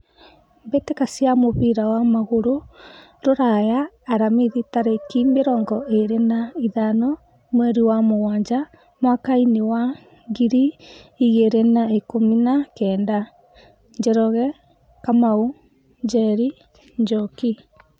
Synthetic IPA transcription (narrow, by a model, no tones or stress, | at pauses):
mbetekasiamoβiɾawamaɣoɾo | ɾoɾajaː | ɾamiðitaɾekimbeɾɔŋɡɔʔeɾenaiðanɔ | mwɛɾiwamowaːɲd͡ʒa | mwakainewa | ŋɡiɾiːɣeɾenaekominakɛːnda | ɲd͡ʒɛɾɔɣɛ | kamau | ɲd͡ʒɛɾi | ɲd͡ʒɔki